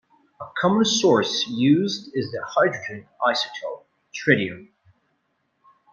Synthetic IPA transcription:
əkʰɑmə̃nsɔɹsjʉzdɪzðəhaɪdɹɨd͡ʒɨ̃nʔaɪsɨ̥tʰəlˠ | tʰɹ̥ɪɾiɨ̃m

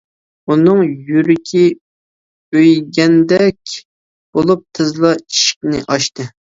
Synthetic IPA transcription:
unɨŋjyɾɪkʲʰi | øjɡʲɛnd̪ɛkʲ | b̥olˠup̚t̪ʰɨzlˠɑi̥ʃi̥k̚ʲnɪ̰ʔɑʃt̪ɨ

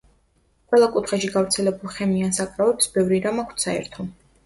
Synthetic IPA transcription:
qʼwɛlˠakʼut̪χaʃiɡavɾt̪sʰɛlɛbulˠχɛmiansakʼɾavɛpsbɛvɾiɾamakʷʰt̪saɛ̰ɾt̪ʰɔ

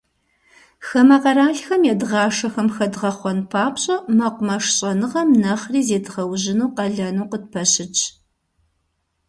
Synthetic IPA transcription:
xɐmɐqɐɾaːɬxɐmjɛdʁɑːʂɐxɐmxɐdʁɐχʷɔnpʰaːpɕʼɐmɐqʷʊmɐʂɕʼɐnɨʁɐmnɐχriːzeːdɨʁɐwʑɪnuːqɐɮɐnuːqəd̚pʰɐɕɪt͡ʃʰʼ

